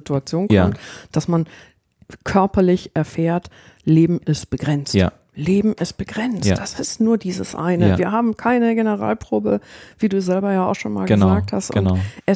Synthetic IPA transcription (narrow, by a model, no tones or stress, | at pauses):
tuat͡sjoːnkɔmtd̥asman | kʰœɐpɐlɪçʔɛɐfɛːɐt | leːbm̩ɪst̚b̥əɡʁɛnt͡sa̰ | leːbm̩ɪst̚b̥əɡ̥ʁɛnt͡sd̥asɪstnuːɐdiːzəsʔa̰ɪnəviːɐɦaːbm̩kʰaɪnəɡenəʁa̰ːlpʁ̥oːbəv̥iːduːzɛlbɐjaːaʊxʃoːnma̰ːlɡəəzaːk̚thastʔʊnʔɛs